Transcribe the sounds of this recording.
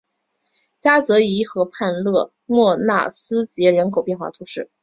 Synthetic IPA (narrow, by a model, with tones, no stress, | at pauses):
t͡ɕja˥t͡sɤ˧˥i˧˥xɤ˧˥pʰa˥˧nlɤ˥˧ | mwɔ˥˧na̰˥˩sɹ̩˥t͡ɕjɛ˧˥ɻə˧˥nkʰo˨˩ʊpjɛ˥˧nxwa˥˩t̪ʰu˧˥ʂɻ̩˥˩